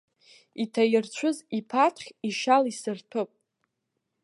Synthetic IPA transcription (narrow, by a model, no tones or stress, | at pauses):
itʰajɪrt͡ɕʷʰʊzipʰatʰχʲiʃalisɨrtʰɨpʼ